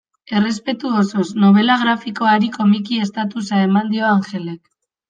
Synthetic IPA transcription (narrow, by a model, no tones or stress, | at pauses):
e̞re̞spe̞t̪uoso̞sno̞β̞e̞laɣ̞ɾafiko̞aɾiko̞mikie̞st̪at̪usaemand̪io̞aŋxe̞le̞k